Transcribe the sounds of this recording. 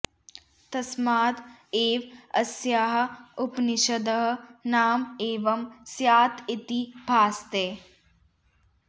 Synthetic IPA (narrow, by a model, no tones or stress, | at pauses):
t̪ɐsmaːd̪eːʋɐ̰sjaːɦɐ̆upniʃɐd̪ɐɦɐ̆naːmeːʋɐmsjaːt̪ʰit̪ibʱaːst̪eː